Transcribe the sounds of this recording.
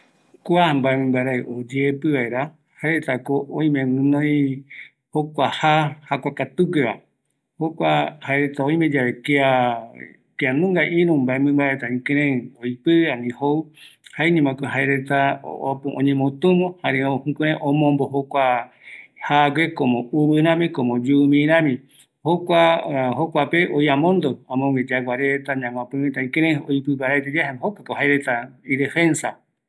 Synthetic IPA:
kʷambaemɨ̃mbaɾaeʔod͡ʒepɨβaeɾa | haeɾet̪akoʔõĩmẽmɨ̃nõj̃ | hokʷahahakʷakat̪uɡeβa̰ | hokʷahaeɾet̪aõj̃mẽd͡ʒaβekea | keanũŋɡaʔĩɾũmbaemɨ̃mbaɾet̪aĩkẽɾ̃ẽojpɨãnĩhouhaeɲẽmãkoɦaeɾet̪aopuõ̰ɲẽmõt̪ũmõhaɾẽõhũkũɾẽʔõmõmboɦokʷa | haɡekomõuβɨɾ̃ãmĩkomõd͡ʒumĩɾãmĩ | hokʷahokʷapeʔojamõnd̪oãmõŋɡed͡ʒaɡaɾet̪aɲãmʷãpɨ̃mĩt̪aĩkeɾẽojpɨβaɾat̪ed͡ʒahahokakoɦajɾet̪aiɾefensa

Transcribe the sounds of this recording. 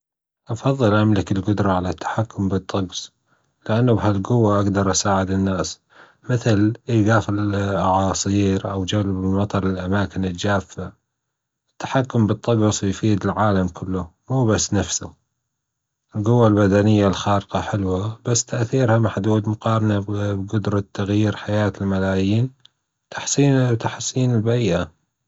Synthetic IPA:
ʔɑfɑðˤːɨlʔamlɪkɪlɡʊd̪ɾˤɑʕalat̪ʰːḁħakːʊmbɨt̪ˤːɑɡsˤ | lɪʔanːabhalɡʊwːaʔaɡd̪ɑɾˤʔasaːʕɪd̪ɪnːaːs | mɪθɪlʔɪɡaːfɪlʔɑʕɑːsˤiːɾʔawd͡ʒalbmɑt̪ˤɑɾˤɪlʔamaːkɪnɪld͡ʒaːfːa | ɪt̪ːḁħakːʊmbɨt̪ˤːɑɡɑsˤjfiːd̪ɪlʕaːlamkʰʊlːʊmuːbasːnafsʊ | ʔɪlɡʊwːalbad̪anɪjːalxɑːɾɪqɑħɪlwabasːt̪aʔθiːɾhamaħd̪uːd̪mʊqɑːɾˤɑnabɡʊd̪ɾˤɑt̪ːaɣjiːɾħajaːt̪ɪlmalaːjiːn | t̪ʰḁħsiːnt̪aħsiːnɪlbaɾiːʔa

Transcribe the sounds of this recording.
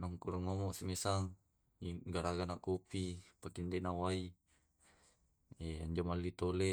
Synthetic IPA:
naŋkuɾaŋomɔʔsimesaŋ | iɡaɾaɡanakupipakindɛnawai | ɛaɲd͡ʒamalːit̪olɛ

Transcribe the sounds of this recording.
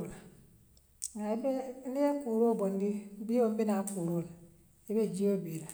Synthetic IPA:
a | aibeliekuɾobondibiom̩binakuɾola | ibed͡ʒiobiɾa

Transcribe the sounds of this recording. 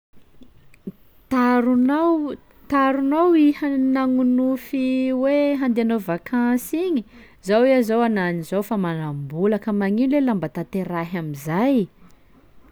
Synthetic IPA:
t̪aɾunaw | t̪aɾunowihanaŋunufiweɦand̪eanovakʰãsiɲi | zawiazowananizowfamanambulakəmaŋinlelambat̪at̪eɾaɦamizaj

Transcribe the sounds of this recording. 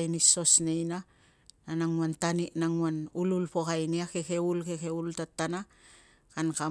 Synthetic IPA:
jniso̞snejna | nanaŋuantaniʔnaŋuanululpo̞kajniake̞ke̞ulke̞ke̞ultatːana | kanka

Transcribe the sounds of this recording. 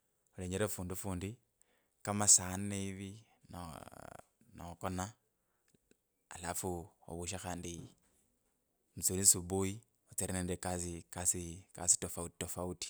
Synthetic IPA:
oleɲeɾefuːndufuːndi | kamasaneiβi | n̰ | no̰kona | a̰lafuo̰βuʃ̬axaːndi | mut͡sulisubui | ot͡siɾineːndekasikasikasi̥tofautofauti̥

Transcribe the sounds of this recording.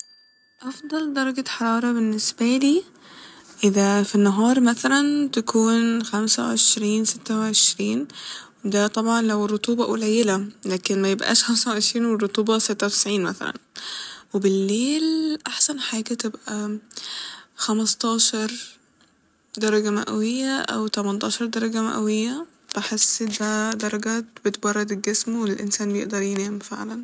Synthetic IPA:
ʔɑfd̪ˤɑld̪ɑɾˤɑɡaħɑɾˤɑːɾˤɑbɪnːɪsbæliː | ʔɪðæfinːaɦɑːɾˤmæθælænt̪akʰuːnxæmsæwʕeʃɾiːnsɪt̪ːæwʕeʃɾiːnwed̪æt̪ˤɑbʕɑnlæwɪrˤːot̪ˤuːbɑʔʊ̰læjːɪlælæːkɪnmæjebʔæ̰ːʃxæmsawʕeʃɾiːnwerˤːot̪ˤuːbɑsɪt̪ːawt̪ɪ̥sʕiːnmæθæ̰læ̰nwebɪlːeːlʔaħsænħaːɡæt̪ɪbʔæ | xæmɑst̪ˤɑːʃɑɾˤ | d̪ɑɾˤɑɡæma̰ʔæwɪjːæʔæ̰wt̪æmænt̪ˤɑːʃɑɾˤd̪ɑɾˤɑɡama̰ʔæwɪjːæ | b̥ɪħesːd̪æd̪ɑɾˤɑɡæt̪bet̪bɑrˤːɑd̪elɡesmwelʔɪ̰nsæːnbjḛʔd̪ɑɾˤjenæːmfḛʕlæn

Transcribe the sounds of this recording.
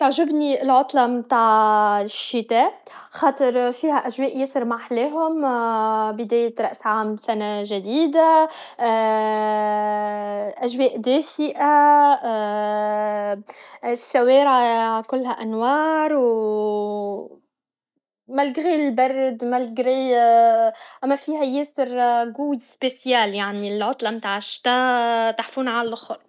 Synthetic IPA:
t̪ʊʕʒɪbniɪlʕʊt̪ˤlɑmt̪aːʕʃːɪt̪æːxɑːt̪ˤɨɾˤfiːhæʔæʒwɛːʔjɪsɨɾmaʕħleːɦʊm | bɪd̪æːjɪt̪ɾˤɑʔsʕaːmsænaʒæd̪iːd̪a | ʔæʒwɛːʔd̪æːfɪʔa | ʃːaweːɾaakʊlːhæʔanwɑːɾˤw | malɡɣillbɑɾˤːd̪malɡɾi | ʔamːafiːhajeːsɪɾɡuːjspesjaːljaʕnilʕʊt̪ˤlɑmt̪aːʕaʃt̪at̪aħfuːnʕallʔʊxɾˤ

